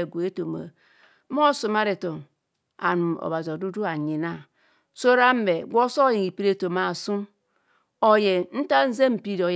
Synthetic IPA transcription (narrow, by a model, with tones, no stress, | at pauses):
e˨ɡʷu˨e˦to˨ma̰˨˦ | m˦o˦su˨ma˦ɾe˨to˨ | a̰˨nu˨mo̰˨ba˨zi˨o˨du˦du˦a˨ɲi˨na˦ | so˦ɾa˦m̩˦be˨ɡʷo˦so˦ji˨ŋi˨pi˦ɾe˦˨to˨ma˨su˦m | o˨je˨n̩˦ta˦n̩˦ze˦m̩˨pi˦do˨